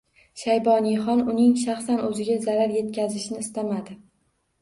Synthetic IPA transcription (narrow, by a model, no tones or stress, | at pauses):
ʃajbɒnijχɒnʊnɪŋʃaχsanɵzɪɡʲazaɾaɾje̞t̪̚kʲʰazɪʃnɪːst̪amad̪ɪ